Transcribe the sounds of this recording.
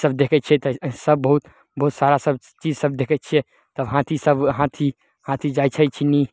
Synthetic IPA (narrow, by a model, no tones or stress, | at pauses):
səbd̪ekʰɛt̪̚ːt͡ʃʰɛt̪əsəb̚ːəɦut̪ | bəɦut̪saɾasəb | t͡ʃid͡ʒsəb̚d̪ekʰɛt̪̚t͡ʃʰɛ | t̪əbɦãt̪ʰisəbɦãt̪ʰi | hãt̪ʰid͡ʒat͡ʃʰajt͡ʃʰini